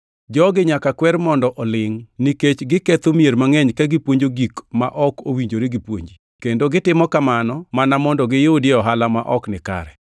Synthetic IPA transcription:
d͡ʒɔɡɪɲakakwɛɾmɔndɔʔɔlɪŋniket͡ʃɡɪket̪omieɾmaŋɛɲkaɡɪpwoɲd͡ʒoɡikma̰ʔɔkowiɲd͡ʒoɾeɡipwoɲd͡ʒi | kendoɡɪtɪmɔkamanɔmanamɔndɔɡɪjodɪɔɦalamaʔɔknɪka̰ɾɛ

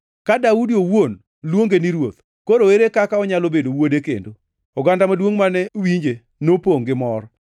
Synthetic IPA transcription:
kadaudiowon | lwoŋɡeniɾwot̪ | koɾoweɾekakaɔɲalobedowodekḛndo | ɔɡandamadwoŋmanɛwiɲd͡ʒe | nopoŋɡɪmɔɾ

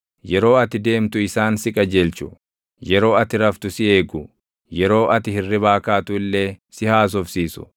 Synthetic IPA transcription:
jɛɾo̞ːɐt̪ɪd̪e̞ːmt̪ʊɪsaːnsɪkʼɐd͡ʒelt͡ʃʊ̥̰ | jɛɾo̞ːɐt̪ɪɾɐft̪ʊsɪe̞ːɡʊ | jɛɾo̞ːʔɐt̪ɪhɪrːɪbaːkaːt̪ʊɪlːe̞ːsɪhaːs̬ɔfsiːsʊ̥̰

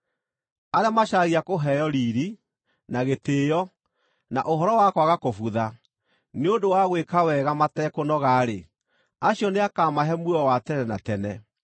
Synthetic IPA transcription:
aɾeamaɕaɣiakoɦɛjɔɾiːɾi | naɣeteːjɔ | na̰ʔoɦɔɾɔwakɔaɣakofuða | neondowaɣwekawɛɣamatɛkonɔɣaːɾe | aɕiɔneakaːmaɦɛmwuɔwatɛnɛna̰tɛnɛ

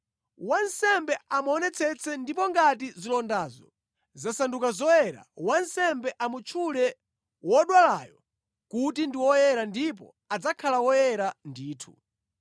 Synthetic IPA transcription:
wansɛmbɛamuɔnɛt͡sʰɛt͡sʰɛndipɔŋɡatizilɔndazɔ̰ | zasandukazɔjɛɾa̰wansɛmbɛʔamut͡ʃʰulɛ | wɔɗwalajɔ | kutindiwɔjɛɾandip̬ɔ̰ | ad͡zakʰalawɔjɛɾandiːtʰu

